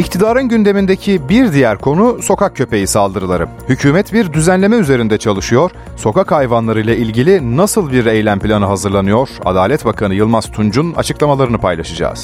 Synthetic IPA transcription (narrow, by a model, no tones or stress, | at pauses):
ict̪ʰid̪aːɾɯnɟynd̪e̞mind̪ecʰibiɾd̪ijæɾkʰo̞nuso̞kak̚cʰø̞pe̞jisalˠd̪ɯɾɯlˠaɾɯ | hycʰyːmɛt̪biɾd̪yzænlʲe̞mɛyze̞ɾind̪ɛt͡ʃʰalˠɯʃɯjo̞ɾ̥ | so̞kakhajvanlˠaɾɯjlˠailʲɟilʲinasɯlˠbiɾe̞jlʲæmplʲanɯɦazɯɾlˠanɯjo̞ɾ̥a̰d̪aːlʲɛt̪bakʰanɯjɯlˠmaz̥t̪ʰund͡ʒuna̰t͡ʃʰɯklˠamalˠaɾɯnɯpʰajlˠaʃɯd͡ʒa̰ːz̥